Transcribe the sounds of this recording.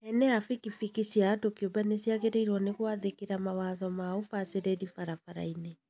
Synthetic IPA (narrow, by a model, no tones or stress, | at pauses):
ɛnɛafikifikisiaːdokiobanesiaɣeɾeiɾwɔneɣwaðekeɾamawaðɔmaofaseɾeɾifaɾafaɾa̰ine